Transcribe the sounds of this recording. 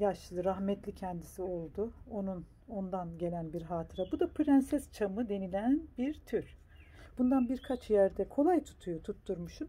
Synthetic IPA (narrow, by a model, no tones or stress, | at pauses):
jaʃllˠɯɾaɦmɛt̪ʰlʲicʰɛnd̪isio̞lˠd̪uo̞nun | o̞nd̪anɟe̞lʲænbiɾɦaːt̪ʰɯɾabud̪apʰɯɾænsɛst͡ʃʰamɯd̪e̞nilʲænbiɾt̪ʰyɾ | b̥und̪anbiɾkʰat͡ʃʰjæɾd̪ɛkʰo̞lˠajt̪ʰu̥t̪ʰujot̪ʰut̪ːuɾmuʃun